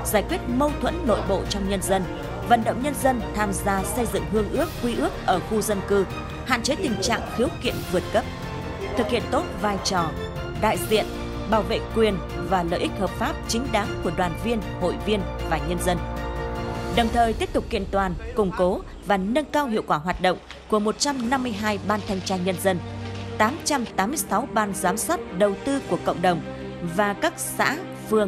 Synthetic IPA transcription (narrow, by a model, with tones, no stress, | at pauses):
zaː˧˩jkwi˦˥ət̚mə˧wt̪ʰwə̰˧˥nːo̰˧˨jɓo̰˧˨t͡ɕɔ˧wŋ͡mɲə˧nzə˧n | və̰˧˨nɗə̰˧˨wŋ͡mɲə˧nzə˧nt̪ʰaː˧mzaː˧sə˧jzɨ̰˧˨ŋɦɨ˧əŋʔɨ˦˥ək̚ːwi˧ʔɨ˦˥ək̚ʔəː˧˩xu˧zə˧nkɨ˧ | ha̰ː˧˨nt͡ɕe˨˦t̪ï˨˩ŋ̟t͡ɕa̰ː˧˨ŋxi˨˦əwkḭ˧˨ənvɨ˨˩ət̚kə˦˥p̚ | t̪ʰɨ˨˩k̚hḭ˧˨ənt̪o˦˥t̚vaː˧˩jt͡ɕɔ˨˩ | ɗa̰ː˧˨jzḭ˧˨ən | ɓaː˧˩wvḛ˧˨kwi˨˩ən | vaː˨˩lə̰ː˧˨jʔi˦˥k̟̚həː˨˩p̚faː˦˥p̚t͡ɕï˨˦ŋ̟ɗaː˨˦ŋku˧˩əɗwaː˨˩nvi˧ənho̰˧˨jvi˧ənvaː˨˩ɲə˧nzə˧n | ɗə˨˩wŋ͡mt̪ʰəː˨˩jt̪i˦˥əp̚t̪ʊ˨˩k͡p̚kḭ˧˨ənt̪waː˨˩nkʊ˨˩ŋ͡mko˨˦ | vaː˨˩nə˧ŋkaː˧wɦḭ˧˨əwkwaː˧˩ɦwaː˨˩t̚ɗə̰˧˨wŋ͡m | ku˧˩əmo˨˩t̚t͡ɕa˧mna˧mːɨ˧əjɦaː˧jɓaː˧nt̪ʰɛ˧jŋ̟t͡ɕaː˧nɲə˧nzə˧nt̪aː˨˦mt͡ɕa˧mt̪aː˨˦mːɨ˧əjsa˨˦wɓaː˧˩nzaː˨˦mswaː˦˥t̚ɗə˨˩wt̪ɨ˧ku˧˩əkə̰˧˨wŋ͡mɗə˨˩wŋ͡m | vaː˨˩kaː˦˥k̚sa̰ː˧˥ | fɨ˧˩ə